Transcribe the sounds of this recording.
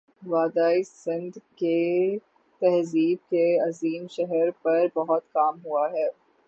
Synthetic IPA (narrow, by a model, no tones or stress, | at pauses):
ʋaːd̪aːisɪ̃nd̪ke | t̪ɛɦziːb̚keɐziːmʃɛɦɛɾpɐɾbɐɦɔt̪kaːmɦuaɦɛː